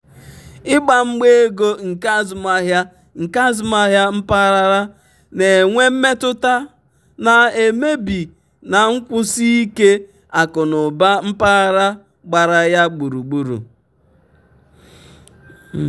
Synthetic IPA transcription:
ɪ˦ɡ͡ba˨ŋ͡m̩˦ɡ͡be˦e˦ɡo˦ŋ̩˨ka˦zma˦ɦja˦ | ŋ̩˨ka˦zʊ˨˦ma˦ɦja˦m̩˦pa˦ɾa˦ɾa˦ | ne˨ŋʷe˦m̩˦me˦tʊ˦ta˦ | na˨e˨me˦bi˨ | na˨ŋ̩˦kʷʊ˦si˦i˦ke˦ | a˨kʊ˨nʊ˨ba˦m̩˦pa˦ɾa˦ | ɡ͡ba˨ɾa˨ja˦ɡ͡bu˨ɾu˨ɡ͡bu˦ɾṵ˨

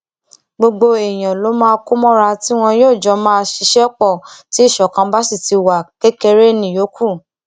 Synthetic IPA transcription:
ɡ͡bo˧ɡ͡bo˧e˨j̃ã˨lo˨˦mãː˦˧ku˦mɔ̃˦ɾa˧ti˦w̃ɔ̃˧joː˦˨d͡ʒɔ˧˦mãː˦˧ʃi˧ʃɛ˦k͡pɔ˦˨ti˦˨ʃɔ˨kã˧˦ba˦si˦˨ti˧wa˨ke˦ke˧ɾe˦nĩ˨jo˨˦kʰu˦˨

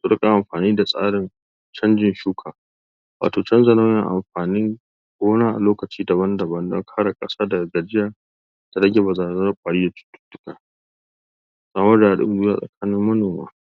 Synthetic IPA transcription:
sʊ˦ɽɪ˦kʼa˨ʔa˨mɸaː˨niː˦da˨sʼa̰ː˦ɽɪ˨n | t͡ʃɐ˦nd͡ʒɪ˨nʃuː˦kʰaː˨ | wa̰ː˨toː˨t͡ʃɐ˦nzɐ˨na˦wjɐ˨ŋʔa̰˨mɸaː˨nɪ˦ŋ | ɡʷoː˦naː˦ʔa̰˨loː˦kɐ˨t͡ʃiː˦dɐ˨bɐ˦ndɐ˨bɐ˦ndɔ̰˦ŋkʰaː˦ɽa˨kʼɐ˦saː˦dɐ˨ɡɐ˨ɡɐ˨d͡ʒɪ˦jaː˨ | da˨ɽɐ˦ɡʲe˨ba˨zaː˨˦zɐ˦ɸʷʼaː˨ɽiː˦da˨tʊ̥˦tːʊ̥˦tːʊ̥˦ka˦ | sʼaː˦mɐ˦rdaː˨a˨ɗɪ̰˦m˨duː˦ja˨sʼɐ̰˨kʰaː˦nɪ˦mːɐ˦noː˨ma̰ː˦

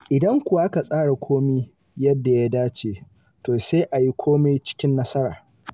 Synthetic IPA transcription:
ʔɪ˨dɐ˦ŋkʷʊ˨wa˦ʔa˦ka˨sʼaː˦ɽa˨kʷʰoː˦mi˦ | jɐ˦dːa˨ja˦daː˦t͡ʃeː˨ | toː˨seː˦ʔa˨ji˦kʷʰoː˦me˦jt͡ʃɪ̥˦kʲɪ˦nːɐ˦sɐ˦ɾa̰ː˨

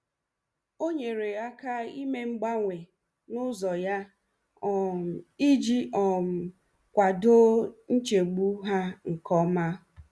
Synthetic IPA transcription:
o˦ɲe˨ɾe˨a˦ka˦i˦me˦ŋ͡m̩˦ɡ͡ba˦ŋʷe˨ | nʊ˦zɔ˨ja˦ | ɔ˨m̩˨i˦d͡ʒi˦ɔ˨m̩˨ | kʷa˨do˦n̩˦t͡ʃe˨ɡ͡bu˦ɦa˦ŋ̩˨kɔ˦ma˦

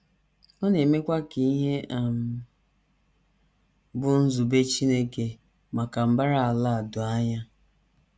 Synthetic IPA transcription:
ɔ˦ne˨me˦kʷa˦ki˨i˦ɦe˦a˨m̩˨ | bʊ˦n̩˦zu˨be˦t͡ʃi˦ne˦ke˨ | ma˨ka˨m̩˦ba˦ɾa˦˨a˨la˦˨dʊ˨a˦ɲa˦

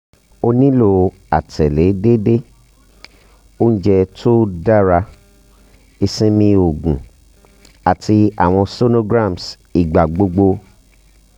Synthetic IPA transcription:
o˧nĩ˦lo˦˨ | a̰˨tʰɛ˨le˨˦de˦de˦ | o˦n̩˦d͡ʒɛ˧to˦da˦˨ɾa˧ | e˧sĩ˦mĩ˧o˨ɡũ˨ | a˨tʰi˧a̰˨w̃ɔ̃˧so˦no˦ɡɾã˦˨ms | i˨ɡ͡ba˨ɡ͡bo˧ɡ͡bo˧

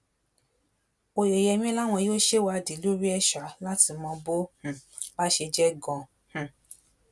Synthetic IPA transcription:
o˧je˨jɛ˧mĩ˦la˦w̃ɔ̃˧˦o˦ʃe˦wa˧˨di˨˦lu˦ɾi˦ɛ˦ʃa˨˦la˦ti˧mɔ̃˧bo˦h̩˨ | ba˦ʃe˧d͡ʒɛ˦ɡɔ̃˧˨ | h̩˨

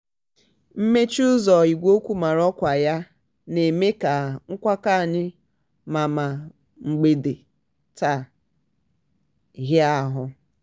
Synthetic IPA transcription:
m̩˦me˦t͡ʃʊ˦zɔ˨i˨ɡʷo˦kʷu˦ma˨ɾɔ˦kʷa˨ja˦ | ne˨me˦ka˨ŋ̩˦kʷa˦ka˦˨ɲɪ˦ | ma˨ma˨ | ŋ͡m̩˨ɡ͡be˨de˨ | ta˨ | ɣa˦ɦʊ˨

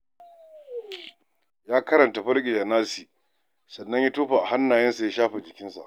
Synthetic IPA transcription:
jaː˦kɐ˦ɾɐ˨nta˨ɸɐ˦ɽɡʲɪ˨d͡ʒaː˨naː˦siː˨ | sɐ˨nːɐ˦ɲji˦toː˦ɸaː˨ʔa˨ha˦nːaː˨jɐ˦nsa˨ja˦ʃaː˦ɸɛ˨d͡ʒɪ˨kʲɪ˦nsa̰˨ʔ

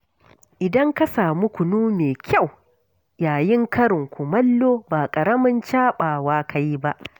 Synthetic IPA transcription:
ʔɪ˨dɐ˦ŋka˦saː˨mu˦kʷʊ˨nuː˦meː˨kʲa˦˨w | jaː˨jɪ˦ŋkɐ˦ɾɪ˨ŋkʷʊ˨mɐ˦lːoː˦baː˨kʼɐ˨ɾɐ˦mɐ˦nt͡ʃaː˦ɓaː˨waː˦ka˦ji˦ba˦ʔ

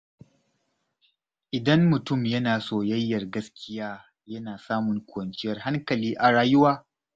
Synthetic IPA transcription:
ʔɪ˨dɐ˦mːʊ˨tʊ˦mjɐ˦naː˨soː˦˨jɐ˦jːɐ˨rɡɐ˦skʲɪ˦jaː˦ | jɐ˦naː˨saː˦mʊ˨ŋkʷʊ˨wɐ˨nt͡ʃɪ˦jɐ˨rha˦ŋkɐ˨liː˦ʔa˨ɽaː˨jʊ˦waː˦

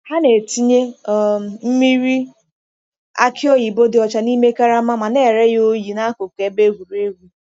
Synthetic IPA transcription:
ha˦ne˨ti˦ɲe˦˨ | m̩˦mi˦ɾi˦ | a̰˦kʰɪ˦ɔ˦ji˨bo˦dɪ˨ɔ˨t͡ʃa˨ni˦me˦ka˦ɾa˦ma˦ma˨ne˦˨ɾe˦jo˦ji˨na˦ko˨ke˨˦be˦ɡʷu˨ɾe˦ɡu˦

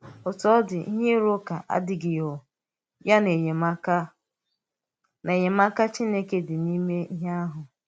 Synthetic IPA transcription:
ʊ˨tɔ˦dɪ˨ḭ˦ɦe˦ɾʊ˦ka˨ʔa̰˦dɪ˨ɡɪ˨jo˨ | ja˦ne˨ɲe˨ma˦ka˦ | ne˨ɲe˨ma˦ka˦t͡ʃi˦ne˦ke˦dɪ˨ni˦me˦i˦ɦe˦a˦ɦʊ˨

